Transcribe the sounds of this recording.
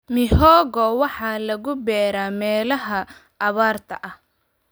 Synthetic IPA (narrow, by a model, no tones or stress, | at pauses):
mɪhɔːɣɔwɑħɑːlɐɣʊbɛːɾaːmɛːlɐɦɐ | ʔːβaːrt̪ʰɐʔɐh